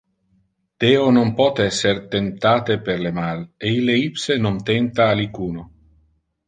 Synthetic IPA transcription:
d̪̥eːonompɔt̪ɛsːeɾt̪ent̪aːt̪eperlemaleilːeipsenont̪ent̪aːlikuːno

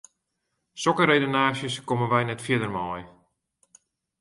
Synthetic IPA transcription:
sɔkəɾejdonaːʃjəskomənʋɛjnɛtfjɪdərmɔːj

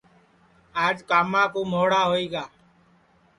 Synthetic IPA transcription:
aːd͡ʒkaːmãːkoːmoːɽaːɦoːiːɡaː

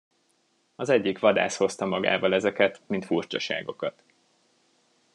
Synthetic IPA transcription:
ɒzɛɟːikʋɒd̪a̰ːsho̞st̪ɒmɒɡa̰ːvɒlɛzɛkɛt̪mint̪furt͡ʃɒʃa̰ːɡo̞kɒt̪

